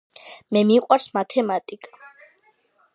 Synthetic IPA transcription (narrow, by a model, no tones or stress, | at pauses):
mɛmiqʼwaɾsmat̪ʰɛmat̪ʼikʼḁ